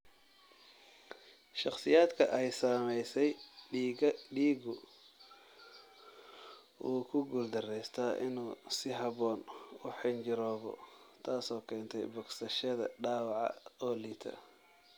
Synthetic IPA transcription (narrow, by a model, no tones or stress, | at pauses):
ʃɑqsɪjaːd̪kʰɐʔɛjsaːmɛjsɛj | ɖiːɡʊ | ʔuːkʰʊɡuld̪ɐrɛjst̪ʰɐʔɪ̰nuːsɪɦɐβɔːnʊħɪnt͡ʃɪɾɔːβɔ̰ | t̪ʰaːsɔːkʰɛːnt̪ʰɛ̰jbɔɡsɐʃɐðɐ̰ɖaːwɑʕɑ̰ɔːliːt̪ʰɐ̰